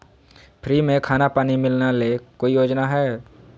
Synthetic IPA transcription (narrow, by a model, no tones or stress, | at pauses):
pʰɾiːmẽkʰaːnapaːnimɪlnalekoːijoːd͡ʒnaɦɛː